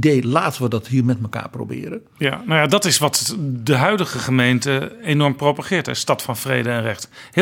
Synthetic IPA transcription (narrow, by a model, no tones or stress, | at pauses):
deːlaːtʋədɔtɦiːrmɛtməka̰ːpro̰bɪ̰ːɾə | janowjadɑtɪsʋɑtdəɦœɥdəχəχəmejntəenɔɹmprowpaχɪːɹtɦɛstɑtfɑnfrejdəɛnrɛχth